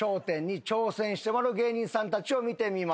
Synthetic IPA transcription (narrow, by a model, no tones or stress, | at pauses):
o̞ːt̪ẽ̞ɲ̟ːit͡ɕo̞ːsẽ̞ɰ̃ɕi̥t̪emaɾɯɡe̞ːɲĩɰ̃sãnt̪at͡ɕio̞mʲit̪e̞mʲima